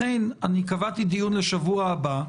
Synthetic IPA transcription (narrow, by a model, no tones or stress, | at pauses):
ejnanikavat̪id̪ijunle̞ʃavuaːba